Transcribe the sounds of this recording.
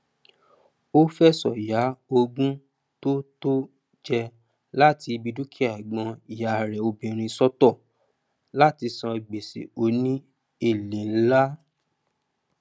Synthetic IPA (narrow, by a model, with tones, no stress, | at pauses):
o˦fɛ˦sɔ˨ja˨˦o˧ɡũ˦ | to˦to˦ | d͡ʒɛ˧ | la˦ti˧bi˧du˦kʰi˦a˦˨ɡ͡bɔ̃˧i˨ja˨ɾɛ˨o˧bĩ˨ɾ̃ĩ˧sɔ˦tɔ˦˨ | la˦ti˧sã˧i˨ɡ͡be˨sḛ˨o˨˦nĩ˦ | e˦˨le˨n̩˦la˦